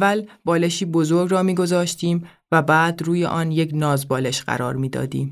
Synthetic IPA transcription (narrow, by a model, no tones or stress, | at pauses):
vælbɒːleʃiːbo̞zo̞ɾɡrɒːmiːɡo̞zɒːʃt̪ʰiːm | væbæːd̪ruːjḛʔɒːnjeknɒːzbɒːle̞ʃɢæ̰ɾɒːɾmiːd̪ɒ̰ːd̪ḭːm